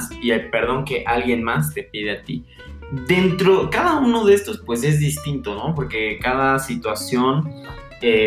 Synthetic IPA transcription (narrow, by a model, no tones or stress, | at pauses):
siajpe̞ɾðo̞ŋke̞ʔalɣje̞nmast̪e̞pið̞e̞at̪ḭ | ðe̞nt̪ɾo̞kaðauno̞ðe̞st̪o̞spwe̞s̬e̞zðist̪int̪o̞no̞po̞ɾke̞kaðasit̪wasjo̞n | e